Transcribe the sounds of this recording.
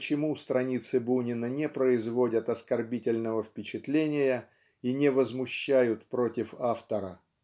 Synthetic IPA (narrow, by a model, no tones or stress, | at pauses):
t͡ɕɪmust̪ɾɐnʲit̪sɨbunʲɪnənʲɪpɾəɪzvo̞dʲət̪ɐskɐrbʲitʲɪlʲnəvəfpʲɪt͡ɕɪt̪lʲenʲɪjə | inʲɪvəzmʊɕːæjʊt̪pɾotʲɪfaft̪əɾə